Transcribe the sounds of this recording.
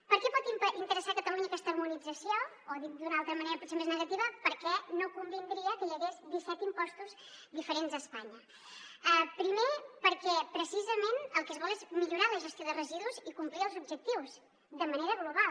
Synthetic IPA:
pəɾkɛpɔt̪iʔint̪əɾəsakət̪əluɲəkɛst̪əmunid͡zəsjo | oðid̪unalˠt̪ɾəməneɾəpusemeznəɣət̪iβəpəɾkɛnokumbind̪ɾiəkəʎəɣezd̪isɛt̪impɔst̪uz | d̪ifəɾenzəspaɲə | əpɾimepəɾkɛpɾəsizəmenəlˠkəzβɔlˠezmiʎuɾaləʒəst̪joðərəziðuzikumpliəlˠzubʒək̚t̪iwz | ðəməneɾəɣluβal

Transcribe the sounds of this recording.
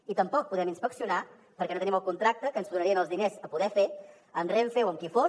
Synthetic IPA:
it̪əmpɔk̚puðɛminspəksiuna | pəɾkɛnot̪əniməlˠkunt̪ɾak̚t̪əkənzðunəɾiənəlˠzðinezəpuðɛfe | ənreɱfewəmkifo

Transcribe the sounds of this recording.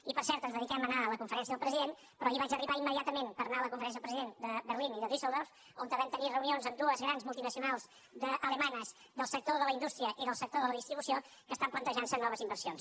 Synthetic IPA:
ipəɾsɛɾt̪ənzðəðikɛmənaələkuɱfəɾɛns̬iəðəlˠpɾəziðen | pɾɔiβad͡ʒəriβaimːəðiat̪əmenpəɾnaləkuɱfəɾɛnsiəpɾəziðend̪əβərliniðəðisɛlˠd̪oɾf | ont̪əβɛmt̪ənirəunionzəmd̪uəzɣɾanzmulˠt̪inəsiunalˠz | d̪əʔələmanəz | d̪əlˠsək̚t̪oðələind̪ust̪ɾiəʔiðəlˠsək̚t̪oðələðist̪ɾiβusijo | kəst̪amplənt̪əʒansənːɔβəzimbərsijons

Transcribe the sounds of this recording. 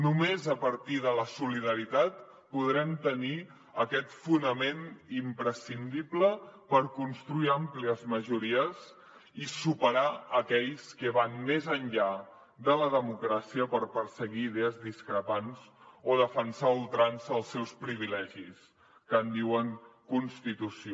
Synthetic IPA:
numezəpəɾt̪iðələsuliðəɾit̪at̪̚ | puðɾɛmt̪əni | əkɛt̪funəmenimpɾəsind̪ipləpəɾkunst̪ɾuiampliəzməʒuɾiəz | isupəɾaəkɛʎskəβanmezənʎa | ðələðəmukɾasiəpəɾpəɾsəɣiːð̞ɛəzðiskɾəpanzoðəfənsaulˠt̪ɾanzəlˠsːɛwspɾiβ̞ilɛʒis | kənd̪iwəŋkunst̪it̪usio

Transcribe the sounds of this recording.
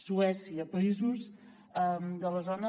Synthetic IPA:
suɛsiəpəizuz | əmd̪ələzonə

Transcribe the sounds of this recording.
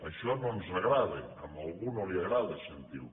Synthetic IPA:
əʃɔnomzrəɣɾaðeəmbəlˠɣunoliəɣɾaðəsənt̪ḭw

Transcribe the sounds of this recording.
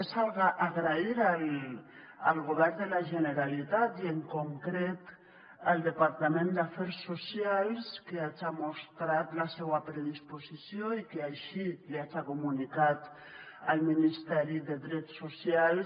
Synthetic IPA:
esalɣaʔaɣɾaiɾal | a̰lɣoβɛɾnd̪elaʒeneɾalit̪at̪ieŋkoŋkɾet̪ | ald̪epaɾt̪amẽnd̪afɛɾsːosjalskeat͡ʃamost̪ɾat̪lasewapɾeðisposisjoikeaʃileat͡sakumunikat̪ | alminist̪ɛɾiðeðɾetsːosjals

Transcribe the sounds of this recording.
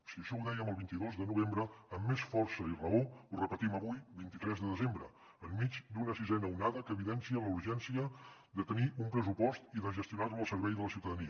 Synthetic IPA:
siəʃɔuðɛjəməlˠβint̪iðozðənuβ̞embɾəəmːesfɔrsəirəourəpət̪iməβujβint̪it̪ɾɛzðəðəzembɾə̰ | əmːid͡ʒd̪unəsizɛnəunaðəkəβiðɛnsiələuɾʒɛnsiə | d̪ət̪əniʔumpɾəsupɔst̪iðəʒəst̪iunarəlˠsəɾβɛjðələsiwt̪əðəniə

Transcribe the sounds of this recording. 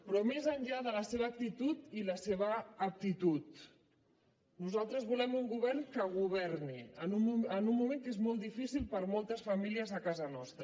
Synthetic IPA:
pɾɔmezəɲʎaðələseβ̞əːk̚t̪it̪ut̪iləseβ̞əːk̚t̪it̪ut̪ | nuzalˠt̪ɾəzβulɛmuŋɡuβɛɾnkəɣ̞uβɛrniənuənumːumeŋkezmɔlˠt̪d̪ifisilˠpəɾmɔlˠt̪əsfɐmiliəzəkazənɔst̪ɾə

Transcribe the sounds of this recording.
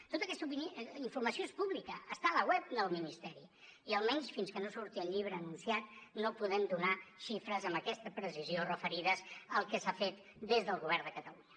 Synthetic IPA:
t̪ot̪əkɛst̪upiniɱfurməsioespuβlikəːst̪aləɣwɛp̚d̪əlˠminist̪ɛɾi | iəlˠmɛnsfinskənosuɾt̪iəʎʎiβ̞ɾəːnunsiat̪̚nopuðɛmd̪unaʃifɾəzəmbəkɛst̪əpɾəsiziorəfəɾiðəzəlˠkəsafet̪ | d̪ezðəlˠɣuβɛrnd̪əkət̪əluɲə

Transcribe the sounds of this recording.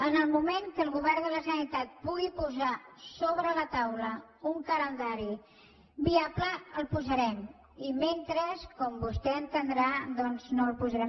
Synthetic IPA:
ənəlˠmumeŋkəlˠɣuβɛrnd̪ələsənit̪at̪̚puɣipuzasoβɾələt̪awləuŋkələnd̪aɾi | biapləəlˠpuzəɾɛm | iment̪ɾəskɔmbust̪ɛənt̪ənd̪ɾad̪ɔnznoəlˠpuzəɾɛ

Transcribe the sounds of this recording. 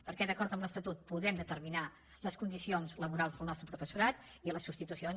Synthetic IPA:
pəɾkɛðəkɔɾt̪əmləst̪ət̪ut̪̚puðɛmd̪ət̪əɾmina | ləskund̪isionzləβuɾalˠzðəlˠnɔst̪ɾəpɾufəsuɾat̪iləsːupst̪it̪usion

